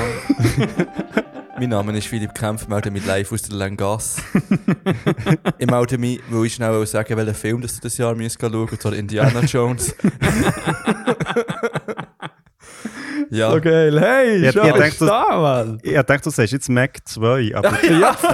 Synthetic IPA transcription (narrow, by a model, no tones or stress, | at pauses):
miːnːɑːmənɪʃfilip̚kʰʁamfɪmaʊtəmilaɪfusd̥əlaŋɡɑs | ɪmaʊtəmiːvoɪʃnaʊaʊsaɡ̥əvɛləfɪlmdɑsd̥uːd̥ɑsjɑːɾmyəst̚ɡ̥ɑluəɡ̥ət͡sʋɑːdɪndiaːnad͡ʒoʊns | jaoɡeɪlheɪʃɪɑttɛŋkdamalɑtɛ̃ŋktd̥uːsɛɪʃjɛt͡smɛkt͡svœʏʔɑ̰ə